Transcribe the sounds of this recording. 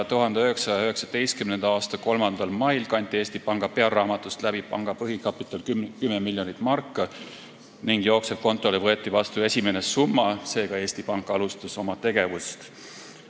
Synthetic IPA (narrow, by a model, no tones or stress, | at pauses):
t̪uɦɑnd̪eøɦe̞ksɑjɑøɦe̞ksɑd̪̥e̞jst̪kymnend̪̥ɑɑːst̪ɑko̞lmɑnd̪ɑlmɑjlkɑnʲt̪ːˑieːsʲt̪ipɑŋɡ̥ɑpe̞ɑlːɑːmɑt̪ːˑust̪læb̥ipɑŋɡ̥ɑpɤɦikɑpːˑit̪ːˑɑlkykymːemilʲjo̞nit̪ːˑmɑrkːˑɑ | niŋɡ̥joːkseb̥̚ko̞nt̪ːˑo̞livɤe̞t̪ːˑivɑst̪ue̞sʲime̞ne̞sumːɑse̞ːɡɑe̞ːsʲt̪ipɑŋkːˑɑlust̪ɑso̞mɑt̪e̞ɡe̞vust̪